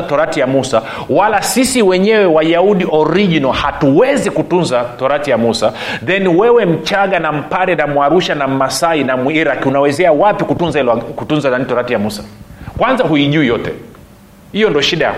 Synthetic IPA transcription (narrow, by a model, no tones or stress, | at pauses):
atɔɾatijamusa | walasisiwɛɲɛwɛwaʄauɗiɔɾiʄinɔhatuwɛzikutunzatɔɾatijamusa | ðɛniwɛwɛm̩t͡ʃaɠanam̩paɾɛnamwaɾuʃanam̩masainamuiɾakiunawɛzɛawapikutunzailkutunzananitɔɾatijamusḁkwanzaɦuiʄuijɔtɛ | hijɔndɔʃiɗaja̰